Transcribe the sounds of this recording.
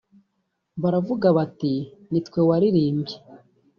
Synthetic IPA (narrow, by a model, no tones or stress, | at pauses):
βaɾavuɡaβatinitkwe̞waɾiɾiːmbɟe